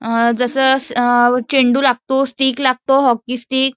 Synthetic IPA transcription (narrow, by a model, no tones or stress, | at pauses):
d͡zəsə | t͡ɕeɳɖuːlaɡ̚t̪osʈiːklaɡ̚t̪oɦɔkːisʈiːk̚